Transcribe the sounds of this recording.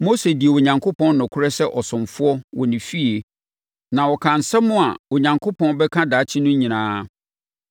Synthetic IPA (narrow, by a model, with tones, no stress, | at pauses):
mo˦se˨di˨e˨wo˨ɲã˨ŋkʰo˦pʰɔ̃˦nnʊ̃˨kʰʊ˦ɾɛ˦sɛ˦ʔɔ˨sʊ̃˨mfʊ˦ɔ˦wɔ˨nɪ̃˨fi˦e˨ | nã˨wɔ˨kʰã˨n̩˨sɛ̃˦mʊ̃˦a̰˨wo˨ɲã˨ŋkʰo˦pʰɔ̃˦nbɛ˦kʰã˦daː˨˦t͡ɕʰɪ˦nʊ̃˦ɲĩ˨nãː˦